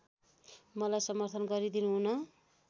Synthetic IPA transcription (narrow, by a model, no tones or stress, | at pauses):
mʌlajsʌmʌrt̪ʰʌnɡʌɾid̪inuɦunʌ